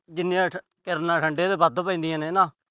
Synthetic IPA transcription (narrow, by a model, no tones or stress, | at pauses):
d͡ʒɪnːĩãː | kɪɾnaːʈʰəɳɖeːd̪eːbəd̪pə̃ĩːd̪ijãːneːnãː